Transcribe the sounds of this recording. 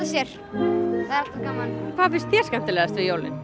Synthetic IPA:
asjɛɾ̥ | θaðɾalt̪akaːmalkʰvaðfɪnst̪θjɛ̥skam̥t̪ɪlɛːɣðast̪vɪjowlɪ̰n

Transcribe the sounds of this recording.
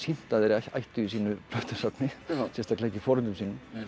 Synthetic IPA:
shin̥t̪aðɛɾaj̪a̰jht̪ʏis̬iːnʏplœht̪ḁsapnɪsɛst̪aklaɛcːɪfɔːɾʏnt̪ʏmsiːnːm

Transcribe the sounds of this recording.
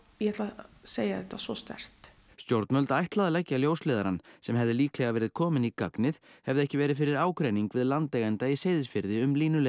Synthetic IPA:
jɛhɛt̪laseːjaðɛht̪ːasvɔst̪ɛ̰r̥t̪ | st̪jowɾt̪mœlt̪ajht̪laðalɛcːaljoːwslɛːðaɾansɛmɦɛvðɪliːklɛɣavɛːɾɪð̥kʰɔːmɪnika̰knɪðhɛvðɪɛhcɪvɛːɾɪðfɪɾɪɾaːwkɾeːjniŋkvɪðlant̪lɛːɣɛnt̪aiseːjðɪsfɪɾðɪʏmliːnʏlɛ

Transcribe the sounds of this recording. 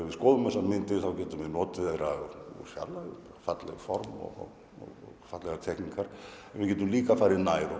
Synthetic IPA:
ɛvɪskoːðʏmɛsanmɪnt̪ɪθawcɛːt̪ʏmɪnɔːt̪ɪðɛɾafja̰ɾlapaɾafat̪lɛ̰ɣafɔɾmɔ̰ɣɔ̰ɣ | ɔ̰ɣɔfat̪lɛɣat̪ʰɛkniŋkaɾ̥ɛnvɪcɛːt̪ʏmliːkafaːɾɪnaːjɾɔ

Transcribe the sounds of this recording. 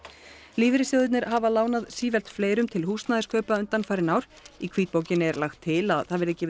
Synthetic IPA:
liːvɪɾɪsjœɣðʏt̪nɪɾ̥havalaːwnaðsiːvɛl̥t̪fleːjɾʏmt̪ʰɪlhuːst̪naːðɪskʰœːɥpaʏnt̪anfaːjɾɪnawɾ̥ikʰviːt̪poːwcɪnɛɾlaxt̪ʰːɪlaðθaðvɛɾɛcːɪ

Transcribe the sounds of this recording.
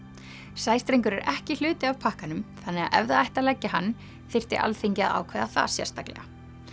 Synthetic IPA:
saːjst̪ɾejŋkʏɾɛɾʔɛhcɪl̥ʏːt̪ɪavpʰahkanʏmθanːɛɣa̰ɛvðaajht̪alɛcːɪɦanː | θɪr̥t̪ɪ̰ʔa̰lθeɲcɪa̰a̰ːwkʰvɛðaθa̰sjɛ̰ɾ̥st̪aklɛ̰ɣa

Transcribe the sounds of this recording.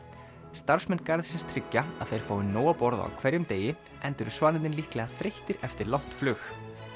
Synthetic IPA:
st̪aɾ̥smɛnkaɾðsɪnst̪ʰɾɪcːaa̰ðθejɾ̥foːwɪnːoːwapɔɾða̰a̰wkʰvɛɾjʏmt̪eːjɪ | ʔɛnt̪ʏɾʏ̥svaːnɪnt̪ɪnlihklɛɣaθɾejht̪ɪɾɛft̪ɪɾlawht̪flʏx

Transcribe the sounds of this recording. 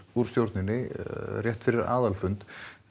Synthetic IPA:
uɾ̥st̪jowɾt̪nɪnːɪrjɛht̪fɪɾɪɾa̰ːðalfʏnt̪

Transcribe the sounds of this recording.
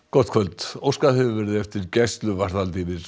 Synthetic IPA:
kɔ̥t̪̚kʰvœlt̪owskahɛvɪvɛɾɪðɛft̪ɪɾcɛst̪lʏvaɾ̥ðalt̪iːðɪɾ̥

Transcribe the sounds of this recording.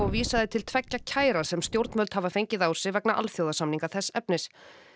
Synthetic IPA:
ɔɣviːsaðɪt̪ʰɪlt̪ʰvɛcːacʰaːjɾḁsɛmst̪jowɾt̪mœlt̪havafejɲcɪðaːwsɪvɛknaʔa̰lfjowðasamniŋkaθɛsːɛpnɪs

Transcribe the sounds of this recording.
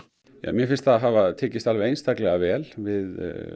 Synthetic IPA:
ja̰mjɛfɪnst̪θaɦavat̪ʰeːcɪst̪alvɛɾejnst̪aklɛɣavɛːlvɪð

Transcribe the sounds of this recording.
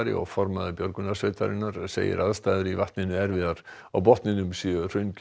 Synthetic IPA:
ɾɪ̰ɔ̰fɔɾmaðəbjœɾɡunasveːt̪ʰaɾɪnaɾsḛjɪ̰ɾʔaðst̪aðɾivaht̪nɪnʏɛɾvɪðaɾ | awbɔht̪nɪnʏmsir̥ʏnk

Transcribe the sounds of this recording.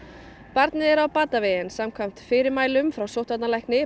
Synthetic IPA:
paɾt̪nɪɛɾawpaːt̪avejɪnsamkʰvajm̥t̪fɪɾɪɾmaːjlʏmfɾawsowt̪at̪nalajhknɪ

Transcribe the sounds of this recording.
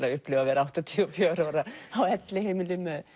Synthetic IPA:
laʏhplɛːvavɛːɾawt̪ɔt̪ʰiɔfjœːɾaɾaawɛt̪lɪhejmɪlɪmœð

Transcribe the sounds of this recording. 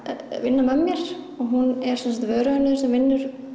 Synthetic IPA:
vɪnːamɛmːjɛɾ̥ | ɔɣɦunɛɾ̥sɛnsat̪vœːɾaʏnːɪðsɛmvɪnːʏɾ̥

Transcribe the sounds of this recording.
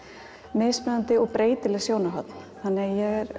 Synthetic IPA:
meːspɛðant̪ɪɔɣpɾeːjt̪ɪlɛɣsjoːwnaɦœt̪n̥ | hanːɪjɛɣɛɾ

